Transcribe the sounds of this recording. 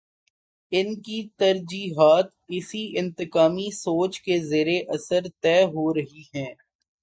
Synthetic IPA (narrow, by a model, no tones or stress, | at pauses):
ɪnkit̪ɐɾd͡ʒiːɦaːt̪ɪsiɪ̃nt̪ɪkaːmisoːt͡ʃkezeːɾeʔɐsəɾt̪ɛːɦoɾɐɦiɦɛ̃ː